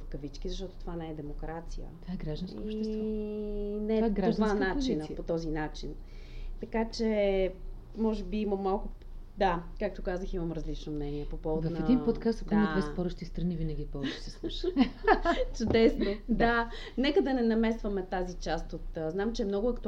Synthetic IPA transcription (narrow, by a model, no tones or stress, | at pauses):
fkɐvit͡ʃkizɐʃt̪ɔt̪o̥t̪ovanɛɛd̪ɛmokɾat̪sijə̰vaɛɡɾaʒd̪ɐ̃nskːpʃt̪ɛs | nɛɡɾad̪vannat͡ʃt͡ʃinəpot̪ɔzinat͡ʃin | t̪ɐkat͡ʃɛ | mɔʒɛbiiməmːalˠkʊ | d̪akak̚t̪okazəximɐmɾəzlit͡ʃnomnɛniɛpopɔvd̪vɐnɛɐd̪inpot̪kast̪ok̪d̪mvɛspɔɾəʃt̪ist̪ɾɐnivinəɡʲipot͡ʃsɛsuʃ | t͡ʃʊd̪ɛsnod̪a | nɛkəd̪ɐnɛnɐmɛsvɐmɛt̪azit͡ʃast̪ot̪znamt͡ʃɛːmnɔɡʊɐkt̪